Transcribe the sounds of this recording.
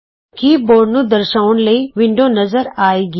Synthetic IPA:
kiːboːɾnud̪ɐɾʃaːʋʊnɪ̆ləɐiʋɪ̃ɳɖʱonɐzəɾaːeɡ

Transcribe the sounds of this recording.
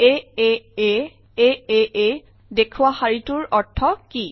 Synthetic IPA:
eee | eee | dekʰuwaxaɹituɹɔɹtʰɔki

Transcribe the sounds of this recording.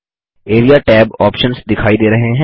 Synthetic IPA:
eːɾijaʈɛːbɔːpʃənsd̪ɪkʰaːid̪eːɾɐɦeɦɛ̃

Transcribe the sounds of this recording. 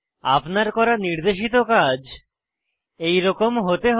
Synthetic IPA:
a̰pnaɾkɔɾaniɾd̪eʃ̬it̪okad͡ʑ | ejɾɔkomɦot̪eɦ

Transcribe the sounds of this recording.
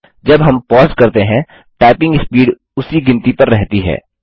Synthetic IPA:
d͡ʒɐbɦɐmpɔːzkɐɾt̪eɦɛ̃ | ʈaːpɪ̃ŋɡɪspiːɖ | ʊsiɡɪ̃nt̪ipɐɾːɛɦt̪iɦɛ̰ː

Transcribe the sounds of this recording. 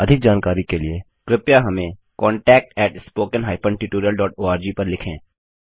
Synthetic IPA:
ɐd̪ʱɪk̚d͡ʒaːnkaːɾikelie | ɡ̥ɾɪpjaɦɐmẽ | kɔːɳʈɛːk̚ʈɛːʈspoːkənɦaːɪpʰə̃ɳɖʈɪʈoːɾijəlɖɔːʈoːaːɾd͡ʒiːpɐɾlɪkʰḛ̃ː

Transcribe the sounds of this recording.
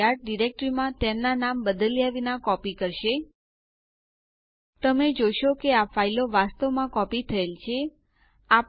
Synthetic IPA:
aɾ̚ɖiɾek̚ʈɾimãt̪emnanambəd̪əljaʋinakɔpikəɾʃe | t̪əmed͡ʒoʃokeafailoʋast̪əʋmãkɔpit̪ʰəelt͡ʃʰe | ap

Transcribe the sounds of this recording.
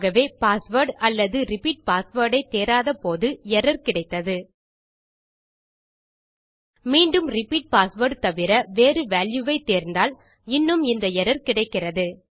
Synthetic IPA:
ɣɐʋeːpaːsʋɐːɾɖɐlːɐðɯɾɪpiːʈ̚paːsʋɐːɽɐɪt̪ːeːɾaːðɐpoːðɯɛɾɐɾkɪɽɐɪt̪ːɐðɯ | miːɳɖɯmɾɪpiːʈ̚paːsʋɐːɖt̪ɐʋɪɾɐʋeːrɯʋaːljuʋɐɪt̪ːeːɾnd̪aːl | ɪnːɯmɪnd̪ɐɛɾɐɾkɪɽɐɪkːɪrɐðɯ

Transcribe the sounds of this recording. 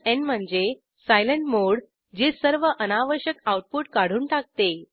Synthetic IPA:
enm̤əɳd͡ze | sajləɳʈmoɽ | d͡ʑesəɾʋəʔənaʋəɾɕjəkawʈ̚puːʈkaɽ̤uːnʈak̚t̪e

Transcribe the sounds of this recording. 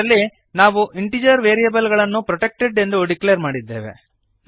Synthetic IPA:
ɐlːi | naːʋuʔiɳʈid͡ʒɐɾʋeːɾijɐbɐlɡɐɭɐnːupɾɔʈek̚ʈeɖe̞nd̪uɖiklejɐɾmaːɽid̪ːḛːʋe̞̰

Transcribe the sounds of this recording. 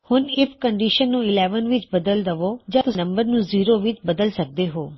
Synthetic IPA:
hʊnɪpʰkəɳɖiːʃənːũːɪlɛːʋənʋɪt͡ʃbɐd̪əld̪ɐʋoːd͡ʒãt̪ʊnɐ̃mbəɾnũːziːɾoʋɪt͡ʃbɐd̪əlsɐk̚d̪eɦoː

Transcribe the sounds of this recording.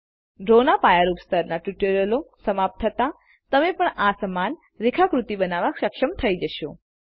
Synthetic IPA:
ɖɾonapajəɾupst̪ʰəɾnaʈjuʈoɾjəlosəmap̚t̪ʰɦət̪a | t̪əmepəɳasəman | ɾɪkʰakɾut̪ibənaʋakʃəkʃəmt̪ʰəid͡ʒəʃo

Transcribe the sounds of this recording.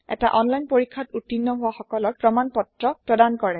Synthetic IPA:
ɛ̰ta̰ʔɔnlajnpoɹikʰːatutːinːɔɦʊwaxɔkɔlɔɹpɹɔmanpɔtɹɔpɹɔdankɔɹɛ

